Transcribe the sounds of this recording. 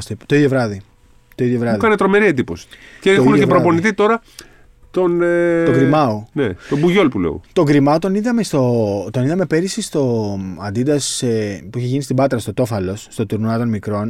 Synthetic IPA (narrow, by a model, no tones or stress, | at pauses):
st̪et̪o̞iðjo̞vɾɐði | t̪o̞iðjo̞vɾɐðikɐnet̪ɾo̞me̞ɾied̪ipo̞si̥ceeoxuinepɾopo̞niθit̪o̞ɾɐ | t̪o̞noɡɾimɐonet̪obuʝo̞lpulḛo̰t̪o̞ɡɾimɐot̪oniðɐme̞st̪o̞t̪o̞niðɐme̞pe̞ɾisist̪o̞ɐnd̪id̪ɐsepuiçe̞ʝinist̪ibɐt̪ɾɐst̪o̞t̪o̞fɐlo̞sːt̪o̞t̪uɾnuɐt̪o̞nmikɾo̞n